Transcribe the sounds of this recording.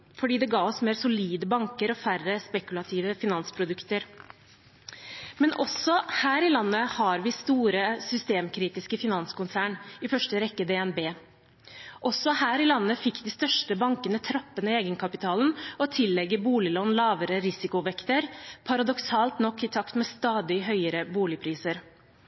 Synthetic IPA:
fɔɖiːd̪ɛɡɑːɔsmeːɾsʊliːd̪əbɑŋkəɾɔfærəspɛkʉlɑt̪ʰiːʋəfɪnɑnspʰɾʊd̪ʉkt̪əɾ | mɛnʔɔsɔhæːɾɪlɑnːəhɑɾʋɪst̪uːɾəsʏst̪eːmkʰɾiːt̪ɪskəfɪnɑnsə̥kʊnsæːɳɪfœʂʈəɾɛkːəd̪ɛɛnbeː | ʔɔsɔhæːɾɪlɑnːəfɪkːd̪ɪːst̪œʂʈəbɑŋkənət̪ʰɾɑpːənəeːɡənkʰɑpɪt̪ʰɑːln̩ɔt̪ʰɪlːɛɡːəbuːlɪlɔnlɑːʋəɾəɾɪsɪkʊʋɛkt̪əɾpʰɑɾɑd̪ɔksɑːlt̪nɔkːɪt̪ʰɑkt̪mɛːst̪ɑːd̪ɪɦœʏəɾəbuːlɪpʰɾiːsəɾ

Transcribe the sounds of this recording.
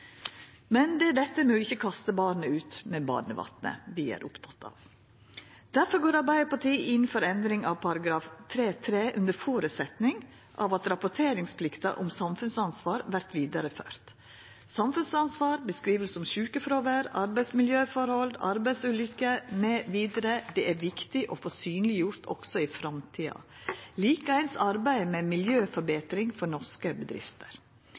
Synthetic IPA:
mɛnd̪ɛd̪ɛt̪ːəmeːɪçːəkʰɑst̪əbɑːɾɳəʉːt̪mɛːbɑ̰ːnəʋɑ̰t̪nə̰ʋɪæ̰ːɾʔʊpt̪ʰɑt̪ʰɑ̰ːʋ | d̪̥æɾfɔɾɡoːɾɑɾbæɪəpɑʈʰiːʔɪnfɔɾɛnd̪ɾɪŋɑʋpʰɑɾɑɡɾɑːft̪ʰɾeːt̪ʰɾeːʔʉnd̪əɾfoːɾʉsɛt̪nɪŋ | ʔɑʋɑt̪ɾɑpʊʈʰeːɾɪŋspʰlɪkt̪ɑ̰ʔʊ̰msɑmfʉnsɑnsʋɑːɾʋæɾt̪ʋiːd̪ɑɾəfø̰ːɾt̪ | sɑmfʉnsɑnsʋɑːɾbəskɾiːʋəlsɔmʃʉːkəfɾoːʋəɾɑɾbæɪsmɪljøːfɔɾhɔld̪ɑ̰ɾbæɪsʉːlʏkːəmeːʋiːd̪əɾəd̪ɛʔæɾʋɪkt̪ɪʔɔfɔsyːnəlɪjʊɾt̪ʰɔ̰ksɔɪfɾɑmt̪ʰiːɑ̰liːkəæɪnsɑɾbæɪmɛmɪljøːfɔɾbeːt̪ɾɪŋfɔnɔʂkəbəd̪ɾɪ̰ft̪əɾ

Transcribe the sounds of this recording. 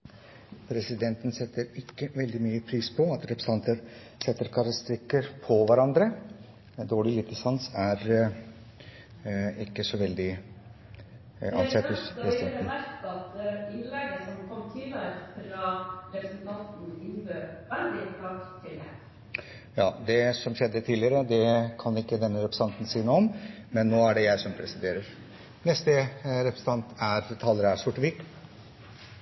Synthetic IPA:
pʰɾɛsɪd̪ɛnt̪nsɛt̪ːəɾɪkːəʋɛld̪ɪmyːəpʰɾiːspʰɔɑt̪ɾɛpɾəsɑnt̪əɾ | sɛt̪ːəɾkʰɑɾɑst̪ɾɪkːəɾpʰɔʋæɾɑnd̪ɾə | d̪oːɭɪjɪt̪ʰːɪsɑnsæɾ | ɪkːəsɔʋɛld̪ɪ | ɑnsɛt̪hʊspʰɾɛsɪd̪ɛnd̪ɛnæɾt̪ɑt̪ɪnlɛɡəsɔmkʰɔmːt̪ʰiːləɾəfɾɑɾɛpɾəsnt̪ʰɑnt̪n̩ɪnb̪əæɾnd̪ɪt̪t̪ʰɑkt̪ʰːɪlɛ | jɑːd̪ɛsɔmɕɛd̪ːət̪ʰiːlɪəɾəd̪ɛkʰɑnɪkːəd̪ɛnːəɾɛpɾəsɑnt̪n̩siːənuːɔmmɛnːoːæɖɛjæɪsɔmpʰɾɛsɪd̪eːɾəɾ | nɛst̪əɾɛpɾəsət̪ɑnt̪æɾt̪ʰɑːləɾəæɾʂʊʈːʋɪk

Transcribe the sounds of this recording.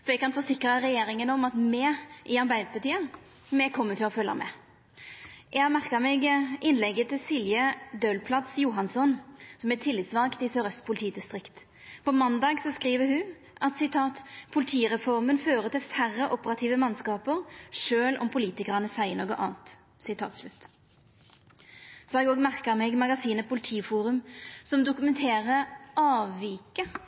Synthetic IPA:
fɔɾjɛɡ̚kɑnfɔsɪkɾəʁɛjeːɾɪŋənɔmɑt̪mɛʔɪɑɾbæɪd̪əpʰɑt̪iːə | mɛkʰɔmːət̪ʰɪlɔfœljɑ̰mɛ̰ | ʔɛmæʁkɑmɛɡʔɪnlɛɡət̪ɪlsiːljəd̪øːlpʰlɑt̪sjuːɦɑnsɔnsɔmɛt̪ʰɪlːɪt̪sʋɑŋkt̪ɪsøːɾœst̪pʰʊlɪt̪ʰiːd̪ɪst̪ʁɪkt̪ | pɔmɑnd̪ɑːɡsɔskɾiːʋəɾhʉ | ʔɑt̪sɪt̪ʰɑːt̪pʰʊlɪt̪ʰiːʁɛfɔʁmənføːʁət̪ɪlfæʁːəʔɔpəʁɑt̪ʰiːʋəmɑnskɑːpəʁʃøːlʔɔ̰mpʰʊliːt̪ɪkəʁənəsæɪənoːɡəʔɑ̰ːnt̪ | sɪt̪ʰɑ̰ːt̪slʉt̪ː | sɔɛɡoːɡmæʁkəmɛɡmɑɡɑsiːnəpʰʊlt̪ʰiːfuːɾʉmsɔmd̪ʊkʉmɛnt̪ʰeːʁəɑːʋːiːkə

